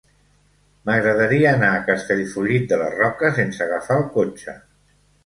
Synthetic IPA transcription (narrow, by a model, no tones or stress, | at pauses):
məɣɾəðəɾiəːnaːkəst̪eʎfuʎit̪̚d̪ələ̰rɔkəsensəːɣ̞əfaəlˠkot͡ʃə̰